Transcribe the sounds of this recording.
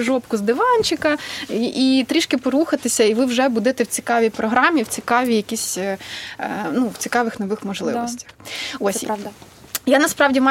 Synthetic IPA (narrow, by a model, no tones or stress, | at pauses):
ʒɔpkʊzd̪ɪʋɑnʲt͡ʃɪkɐʔit̪ɾʲiʃkɪpɔɾuxɐt̪ɪsʲɐiʋɪwʒɛbud̪ɛt̪ɛwt͡sʲi̥kɑʋʲijpɾɔɦɾɑmʲiwt͡sʲikɑʋʲijɐkʲisʲ | nuwt͡sʲikɑʋɪxnɔʋɪxmɔʒlˠɪ̰ɔsʲtʲɐ̥xosʲd̪ | janɐspɾɑʋdʲimɑ